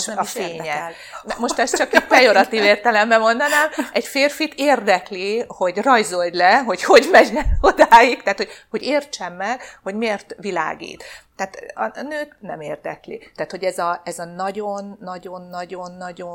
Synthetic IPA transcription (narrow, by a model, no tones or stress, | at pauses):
feeɲɛ | ɛmo̞ʃt̪ɛst͡ʃɒkit̪p̪ɛjo̞ɾɒt̪iːveːrt̪ɛlɛmbɛmo̞nd̪ɒnaːmɛcfeːrfit̪eːrd̪ɛkliho̞ɟrɒjzo̞ld̪lɛɦo̞cho̞ɟmɛɟnɛnod̪aːjikt̪aːt̪ho̞ɟho̞ɟeːrt͡ʃɛmːɛɡ̥ho̞ɟmeːrt̪ʋila̰ːɡḭːt̪ː | aːt̪ɒ̰nøːt̪nɛmeːrd̪ɛ̰klḭt̪aːt̪ho̞ɟɛzɒɛzɒnɒɟo̞nːɒɟo̞nːɒɟo̞nːɒɟo